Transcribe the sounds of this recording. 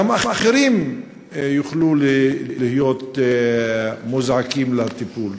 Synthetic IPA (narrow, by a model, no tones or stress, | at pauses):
amaχaχeɾim | juχlulihijot̪ | muzʕakimlat̪ipul